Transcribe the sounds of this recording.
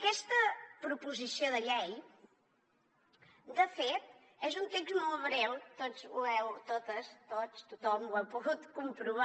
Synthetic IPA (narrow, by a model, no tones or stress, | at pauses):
əkɛst̪əpɾupuzisioðəʎɛj | d̪əfet̪̚ | ɛzunt̪ekzmolβɾewt̪ozuɛwt̪ot̪əst̪ost̪ut̪ɔmwɛpuɣut̪kumpɾuβa